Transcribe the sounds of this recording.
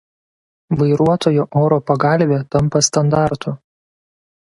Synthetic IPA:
ʋɐɪɾuɔt̪oːjuʔɔːɾopɐɡɑˑlʲʋʲeːt̪ɐmpɐst̪ɐnd̪ɑˑɾt̪ʰʊ

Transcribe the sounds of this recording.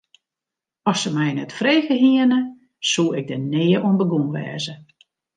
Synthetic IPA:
ɔsəmɛjnɛtfreːɣəɦiənə | suːɪɡ̚dəneːəʔuənbəɡunʋɛ̰ːzə

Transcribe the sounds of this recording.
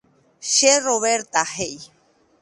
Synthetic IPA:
ʃeroβeɾt̪aɦeʔj

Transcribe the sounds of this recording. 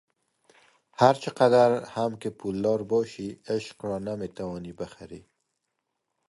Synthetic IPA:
haɾt͡ʃəqad̪aɾhamkepʰulːɑɾbɔʃiɪʃqɾɔnamet̪awɔnibaxaɾḭ

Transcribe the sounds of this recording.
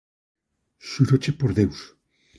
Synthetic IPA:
suɾot͡ʃepoɾðews

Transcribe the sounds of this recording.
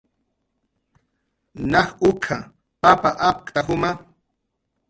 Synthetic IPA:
nɑχʊkʰa | papaʔap̚kt̪ahʊma

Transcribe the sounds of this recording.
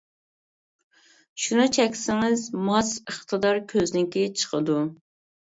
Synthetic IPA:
ʃunɨt͡ʃʰɛkʲsɪŋɪzmɑsəχt̪ʰəd̪ɑɾkʲʰøznɪkʲit͡ʃʰə̥qʰəd̪u

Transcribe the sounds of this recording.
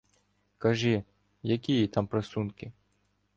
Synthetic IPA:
kɐʒɪ | jɐkʲijit̪ɑmpɾɐsunkɪ

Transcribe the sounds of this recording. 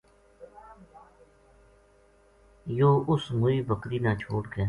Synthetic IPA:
joːʊsmʊiːbəkɾiːnaːt͡ʃʰoːʈɡɛː

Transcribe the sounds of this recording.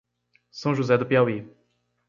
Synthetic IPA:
sɐ̃w̃ʒuzɛd̪ʊpeawi

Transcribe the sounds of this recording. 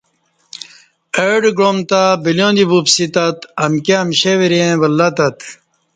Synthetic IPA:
eɖɡɾomt̪abiljõːnd̪ibupsit̪ɐt̪ɐmkeɐmɕeʋiɾeẽʋɐlːat̪ɐt̪

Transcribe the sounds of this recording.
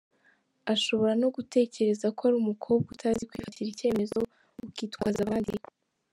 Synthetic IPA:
aʃo̞βo̞ɾano̞ɡute̞ːce̞ɾe̞zakoaɾimukʰo̞ːb̚ɡutʰaːzikwiːfaciɾice̞ːme̞zo̞ | ukiːtkwazaβaːndi

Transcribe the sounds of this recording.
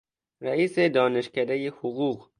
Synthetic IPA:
ɾæiːsed̪ɒːneʃkæd̪æjehuɣuːɣ

